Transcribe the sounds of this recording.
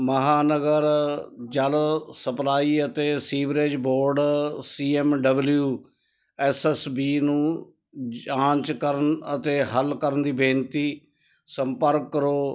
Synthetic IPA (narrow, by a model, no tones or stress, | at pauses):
məɦaːnəɡəɾ | d͡ʒəlsəplaːiːət̪eːsiːbɾed͡ʒboːɾɖsiːɛmɖəbljuː | ɛsɛsbiːnũː | ãːt͡ʃkəɾənət̪eːɦəlkəɾənd̪iːbẽːnt̪iː | səmpəɾkːəɾoː